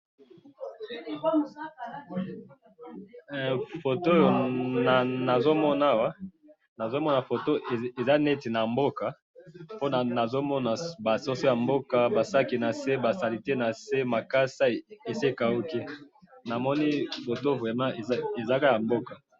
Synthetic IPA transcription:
fo˨to˦jo˨na˨na˨zo˦mɔ˦na˦wa˦ | na˨zo˦mɔ˦na˨fo˨to˦ʔe˨e˨za˦nɛ˦ti˨na˨mbo˦ka˨ | po˦na˨na˨zo˦mɔ˦na˨ba˨so˦so˦ja˨mbo˦ka˨ba˨sa˦ki˨na˨se˦ba˨sa˨li˨te˦na˨se˦ma˨ka˦sa˦e˨e˨se˦ka˨u˦ki˦ | na˨mɔ˦ni˦fo˨to˦vʁɛ˨mã˦e˨˦e˨za˦ka˦ja˨mbo˦ka˨

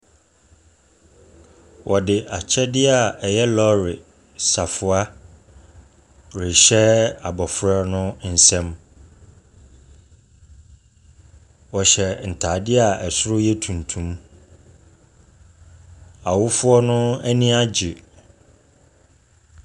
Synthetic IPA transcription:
wʔɔ˨dɪ˨ʔa˨t͡ɕʰɛ˦dɪ˦a˨ɛ˨jɛ˦lɔ˦ɾɪ˨ | sa˨fʊ˨a˦ | ɾɪ˨ɕɛ˦a˨bɔ˨fɾa˦nʊ̃˦n̩˨sɛ̃˦m | wɔ˨ɕɛ˨n̩˨tʰa˨dɪ˦a˨ɛ˨sʊ˦ɾʊ˦jɛ˦tʰũ˨ntʰũ˦m | a˨wʊ˦fʊ˦ɔ˦nʊ̃˦ɛ˦nĩ˦a˦d͡ʑɪ˨

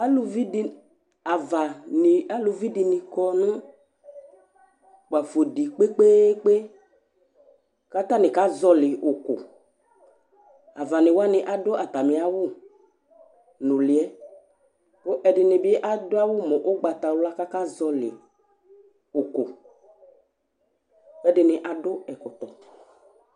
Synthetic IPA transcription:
a˦lu˨vi˦di˦ | a˨va˨n˨a˦lu˨vi˦di˨nɪ̃˨kɔ˦nʊ̃˦ | k͡pa˨fo˨di˨k͡pe˦k͡pe˦k͡pe˦ | ka˦t̪a˦nɪ̃˨ka˦zɔ˦lɪ˨ʔʊ˨kʊ̰˨ | a˨va˨nɪ˨wa˦nɪ˨ʔa˨dɔ˦a˨t̪a˨mɪ̃˨a˦wʊ˦ | nʊ˨lɪ˨ɛ˦ | po˦ʔɛ˨dɪ˨nɪ˨bɪ˦ʔa˦dʊ˦a˦wʊ˦mɔ˨ʔo˦ɡ͡ba˨t̪a˨wʊ˦a˦ka˦ka˦zɔ˦lɪ̰˨ | o˨ko˨ | ɛ˦dɪ˨nɪ˨ʔa˨dʊ˦ɛ˨kʊ˨t̪ɔ˨

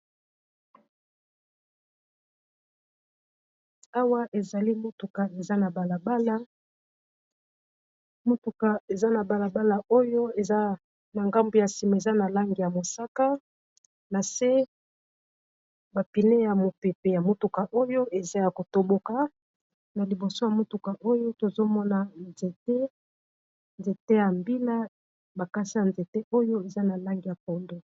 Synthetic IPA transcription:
a˦wa˦ʔe˨za˨li˦mo˦tu˨ka˨e˨za˦na˨ba˨la˨ba˦la˦ | mo˦tu˨ka˨e˨za˦na˨ba˨la˨ba˦la˨ʔo˦jo˦e˨za˦ | na˨ŋɡa˦mbu˨ja˨si˨ma˨e˨za˦na˨la˦ŋɡi˨ja˨mo˨sa˦ka˦ | na˨se˦ | ba˨pi˨ne˦ja˨mo˨pe˨pe˨ja˨mo˦tu˨ka˨ʔo˦jo˦ʔe˨za˦ja˨ko˨to˦bo˦ka˨ | na˨li˨bo˨so˦ja˨mo˦tu˨ka˨ʔo˦jo˦to˨zo˦mɔ˦na˨nze˨te˦ | nze˨te˦ja˨mbi˦la˦ | ba˨ka˦sa˦˨nze˨te˦ʔo˦jo˦e˨za˦na˨la˦ŋɡi˨ja˨kɔ˨ndo˦

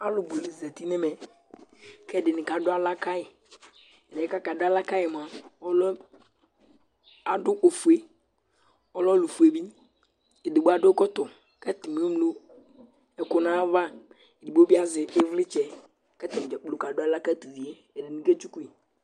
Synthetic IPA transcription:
a˦lʊ˨bo˨li˨zɛ˨t̪i˦ne˦mɛ˨ | kɛ˦˨ɖɪ˨nɪ̃˨ka˨ɖʊ˦a˦la˦ka˦ɪ˨ | ɛ˨dɛ˨ɛ˦ka˦ka˨ɖʊ˦a˦la˦ka˦jɛ˨m˨a˨wɔ˦lɔ˦ | a˨ɖʊ˦ʔo˨fu˨e˦ | ɔ˦lɔ˦lu˨fu˨e˨bi˦ | e˨d̪ʊ˨bo˦a˨ɖʊ˦kɔ˦t̪ɔ˨ | kɛ˦t̪ɪ˨me˨˦o˦mlo˦ | ɛ˨kʊ˦nã˦va˦ | e˨dɪ˨bo˦bi˦a˦zɪ˨ɪ˦vlɪ˦t͡ʃɛ˨ | kɛ˦t̪ɪ˨m˨d͡ʒɛ˨k͡plo˨ka˨dʊ˦a˦la˦ka˦t̪u˨vi˨e˨ | e˨dɪ˨nĩ˨ke˦t͡ʃu˦ku˦e˨

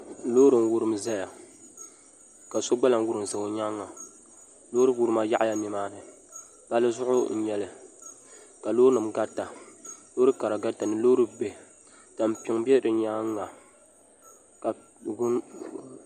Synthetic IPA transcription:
loː˦ɾɨ˨n˦wu˦ɾɨ˦mza˦ja˨ | ka˨so˦ɡ͡ba˦la˨n˦wu˦ɾɨ˨m˨zɨ˨o˦ɲaː˦ŋːa˨ | loː˦ɾɨ˦wu˦ɾɨ˦ma˦ja˦ʔja˦nɨ˦maː˦nɨ˨ | b̥a˦lɨ˦zʊ˦ʔʊ̰˦n̩˦ɲɛ˦lɨ˨ | ka˨loː˦nɨ˨mɡa˦ta˨lo˦ɾɨ˦ka˨ɾa˨ɡa˦ta˨nɨ˨loː˦ɾɨ˦be˨ | ta˨m˨pɪ˦ŋbɛ˦ɾɨ˨ɲaː˦ŋː˦a˨ | ka˨ | ɡn

